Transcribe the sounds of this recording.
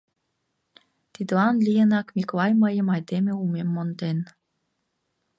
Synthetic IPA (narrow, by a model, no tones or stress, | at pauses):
t̪id̪lɑnlijənɑkmiklɑjməjəmɑjd̪emeumemːont̪en